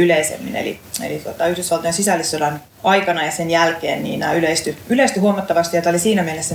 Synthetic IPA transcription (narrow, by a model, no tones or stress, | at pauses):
yleisḛmːḭnḛlḭḛlit̪uot̪ɑyhdysʋɑlt̪ojensisælːisodɑn | ɑikɑnɑjɑsenjælkeːnnḭːnæːyleist̪yyleist̪yhuomˑɑt̪ːɑʋɑst̪ijjot̪ɑolisiːnæmelesːæ